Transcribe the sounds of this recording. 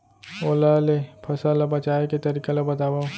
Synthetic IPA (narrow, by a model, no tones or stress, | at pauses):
oːlalepʰɐsalɐbɐt͡ʃaːeket̪ɐɾikalɐbɐt̪aːba